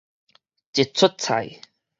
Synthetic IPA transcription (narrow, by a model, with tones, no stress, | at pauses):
t͡ɕi˨˩t̚t͡sʰʊ˥t̚t͡sʰa̰˨˩j